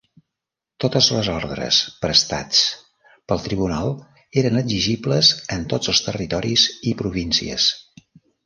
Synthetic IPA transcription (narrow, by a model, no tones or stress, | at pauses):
t̪ot̪əzləzɔɾðɾə̰spɾəst̪at͡s | pəlˠt̪ɾiβunalˠ | eɾənəziʒibləzənt̪od͡zəlˠst̪ərit̪ɔɾizipɾuβinsḭə̰s